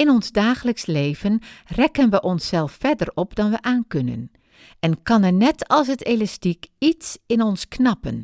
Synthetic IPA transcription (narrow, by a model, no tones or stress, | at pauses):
ɪnɔnzdaːxələksleːv̥ənrɛkənʋəʔɔnsːɛlˠfːɛdərɔpdɑnʋəʔaːnkønə̰n | ɛnkɑnɛnɛtʰɑlˠs̬ətelastikitsɪnɔnsknɑpən